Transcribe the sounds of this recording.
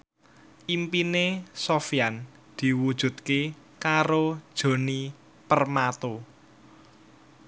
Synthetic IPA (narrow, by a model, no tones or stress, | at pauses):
ʔimpinesofijan | d̪̥i̤wud̥ʒ̥ṳt̪̚ke | kaɾod̥ʒ̥o̤ni | pərmat̪o